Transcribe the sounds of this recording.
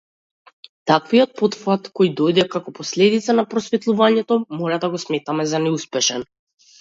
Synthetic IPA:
t̪akvijɔt̪̚pɔt̪fat̪kɔjd̪ɔjd̪ɛkakɔpɔslɛd̪it̪sanapɾɔsvɛt̪lˠuvaɲɛt̪ɔmɔɾad̪aɡɔsmɛt̪amɛzanɛuspɛʃɛn

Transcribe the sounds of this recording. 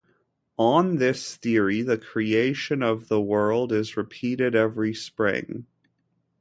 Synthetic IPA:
ə̃nðɪsθɪɹiðɨkʰɹ̥ieɪʃɨ̃nʌvðəwɜ˞lˠdɪzɹɨpʰiɾɨɾɛvɹispɹɪ̰̃ŋ

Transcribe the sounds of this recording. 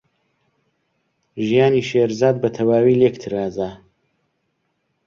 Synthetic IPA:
ʒijaːniːʃeɾzaːd̪̚bɐt̪ʰɐwaːwiːlekt̪ʰɨɾaːza

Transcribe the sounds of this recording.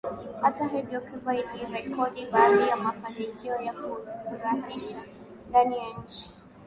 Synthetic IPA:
hataɦɛvjɔkivaiɗiɾɛkɔɗiɓaːðijamafanikiɔjakuuɾahiʃa | ndanijaɲ̩t͡ʃi̥

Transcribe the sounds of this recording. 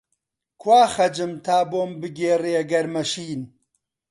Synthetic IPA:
kʰwaːxɐd͡ʒɨmt̪ʰaːboːmbɨɡeːreːɐɡɐɾmɐʃiːn

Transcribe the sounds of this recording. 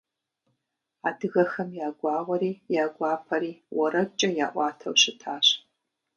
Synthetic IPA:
adɨɣɐxɐmjaːɡʷɑːʁʷɐɾiːjaːɡʷɑːpʰɐɾiːwɐɾɐt͡ʃʼːɐjaːʔʷɑːtʰɐ̰wʃɪtʰaːɕ

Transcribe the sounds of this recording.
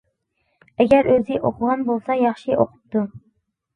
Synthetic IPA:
æɡʲæɾøzɪʔoqʰʊʁɑnbolˠsɑjɑχʃiʔoqʰʊ̥p̚t̪u

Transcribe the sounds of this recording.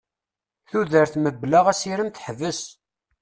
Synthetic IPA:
θuðəɾθməblaʁæsiɾəmt̪ħəvəs

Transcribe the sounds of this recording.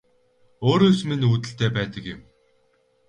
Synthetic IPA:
oːɾoːsminuːt̪ɘ̆ɬt̪eːpæːt̪ə̆kjɪ̆m

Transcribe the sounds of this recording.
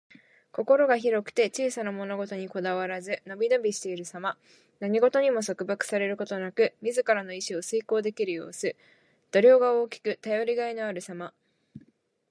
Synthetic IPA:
ko̞ko̞ɾo̞ɡaçiɾo̞kɯ̥t̪e̞t͡ɕiːsanamo̞no̞ɡo̞t̪o̞ɲ̟iko̞d̪aβaɾazɨno̞bʲino̞bʲiɕi̥t̪e̞iɾɯ̟sama | naɲ̟iɡo̞t̪o̞ɲ̟imo̞so̞kɯ̟bakɯ̟̥saɾe̞ɾɯ̟ko̞t̪o̞nakɯ̟mʲizɨkaɾano̞iɕio̞sɨiko̞ːd̪e̞kʲiɾɯ̟jo̞̰ːsɨ | d̪̥o̞ɾʲo̞ːɡao̞ːkʲi̥kɯ̟t̪ajo̞ɾʲiɡaino̞aɾɯ̟sama

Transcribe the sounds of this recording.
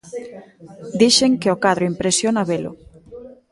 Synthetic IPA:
d̪iʃeŋkeokaðɾʊimpɾesjonaβelʊ̰

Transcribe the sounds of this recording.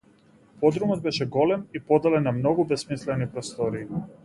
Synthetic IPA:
pod̪ɾumɔd̪̚bɛʃɛɡolɛmipod̪alɛnːamnoɡubɛsmislɛnipɾɔst̪ɔɾiː

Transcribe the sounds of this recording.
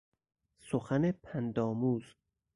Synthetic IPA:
soxænepʰænd̪ɒːmuːz̥

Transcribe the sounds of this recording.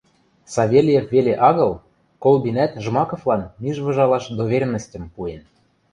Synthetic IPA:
sɑβʲelʲjĕfveleʔɑɣɤ̆l | kolˠbinæt̪ʒmɑkŏflɑnmiʒβɤ̆ʒɑlɑʃd̪oβʲerʲmə̆sʲtʲə̆mpuen

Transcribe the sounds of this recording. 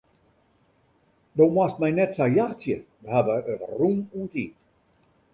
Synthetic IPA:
dowmwast̚mɛjnɛtsajjaxt͡sjə | əhabəətrununtiːt

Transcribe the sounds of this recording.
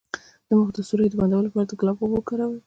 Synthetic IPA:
d̪̥əməxd̪əsuɾed̪əband̪awəlopɑɾad̪əɡlɑbwobəkaɾawə

